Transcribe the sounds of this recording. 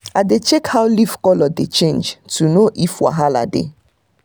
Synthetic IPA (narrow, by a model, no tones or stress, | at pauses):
adet͡ʃɛkhawlifkɔlɔdet͡ʃẽnd͡ʒtʰunoʔifwa̰ɦala̰dḛ